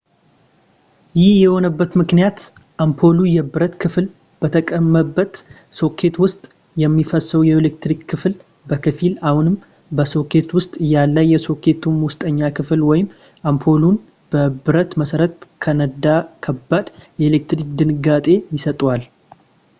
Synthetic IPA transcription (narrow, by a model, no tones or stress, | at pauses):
jɪhjɛho̞nəbːət̪mɨknijat̪ | ʔampʰo̞lujɛbɨɾət̪kʰɨfl | b̥ət̪ʰəkʼəmːəbːət̪ | so̞kʰːe̞t̪wʊst̪ʼ | jɛmːifəsəwujɛelek̚t̪ɾikʰːɨfl | bəkʰɨfilahunɨm | bəso̞kʰe̞t̪wʊst̪ʼɨjalːəjjːɛso̞kʰe̞t̪ʰumwʊst̪ʼəɲːakʰɨflwɔjɪm | ʔampʰo̞lun | b̥əbɨɾət̪məsəɾət̪kʰənəd̪akʰəbːad̪jɛelek̚t̪ɾik̚d̪ɨnɨɡat̪ʼe̞jɪsət̪ʼwal